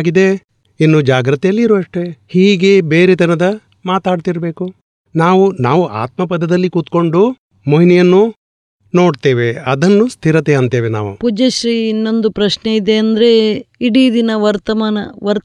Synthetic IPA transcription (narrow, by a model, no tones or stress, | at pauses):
aɡid̪e̞ | inːud͡ʒaːɡɾɐt̪ɛjɐlːiːɾuɐʂʈe̞hiːɡe̞be̞ːɾed̪iɐnɐd̪ɐ | maːt̪aːɖt̪iɾɐbe̞ːku | naːʋunaːʋuʔa̰ːt̪mɐpɐd̪ːɐd̪ɐlːikut̪ko̞ɳɖu | moɦinɛjɐnːu | no̞ːɖt̪eːʋe̞ɐd̪ɐnːust̪ʰiɾɐt̪eɐnt̪eːʋena̰ːʋṵpud͡ʒeʃɾiːinːo̞nd̪upɾɐʃneid̪e̞ɐnd̪ɐɾe̞iɽiːd̪inɐʋɐɾt̪ɐmaːnɐʋɐɾ